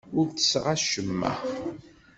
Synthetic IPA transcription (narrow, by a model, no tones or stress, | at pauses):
ʊɾt͡sə̥sʁaʃəmːæ̰